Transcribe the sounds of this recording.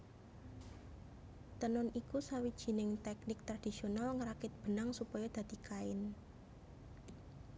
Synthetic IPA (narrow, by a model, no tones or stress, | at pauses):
t̪ənɔnikusawid̥ʒ̥i̤nɪŋt̪ɛknɪk̚t̪ɾad̪̥isionalŋəɾakɪt̪̚b̥ə̤naŋsupɔjɔd̪̥a̤d̪̥i̤kaɪn